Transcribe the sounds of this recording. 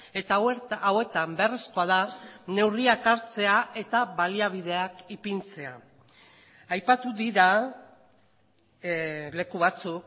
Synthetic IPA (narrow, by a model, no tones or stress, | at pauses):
et̪aawe̞t̪amberesko̞að̞ane̞wriakaɾt͡se̞aʔe̞t̪aβaliaβ̞iðe̞akipint͡se̞a | ajpat̪uðiɾa | le̞kuβat͡suk